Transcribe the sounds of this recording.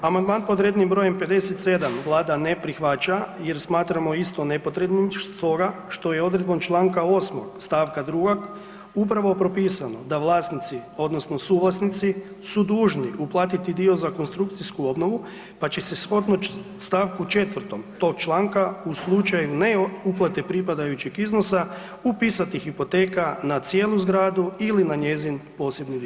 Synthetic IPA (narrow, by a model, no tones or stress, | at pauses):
amand̪manpod̪ɾeːd̪nimbɾo̞jempe̞d̪e̞set̪se̞d̪amʋlˠaːd̪ane̞pɾixʋat͡ʃaje̞ɾsmaːt̪ɾamo̞ist̪o̞ne̞po̞t̪ɾed̪nit̪o̞ɡaʃt̪o̞je̞o̞d̪ɾed̪̚bont͡ʃlˠaːŋkao̞ːsmo̰ɡst̪aːʋkad̪ɾuɡoɡ | upɾaʋo̞pɾo̞piːsano̞d̪aʋlˠaːsnit̪sio̞d̪nosno̞suːʋlˠasnit̪si | sud̪uːʒniʔuplˠaːt̪it̪id̪io̞zako̞nst̪ɾukt̪siskuo̞bno̞ʋu | pat͡ɕese̞sxo̞d̪nost̪aːʋkut͡ʃe̞t̪ʋr̩t̪o̞mt̪o̞kt͡ʃlˠaːŋkauslˠut͡ʃajuneuplˠat̪e̞pɾipad̪ajut͡ɕikizno̞sa | upiːsat̪ixipo̞t̪e̞ːkanat̪sje̞ːlˠuzɡɾaːd̪uilinaɲe̞zinpo̞ːse̞bnid̪i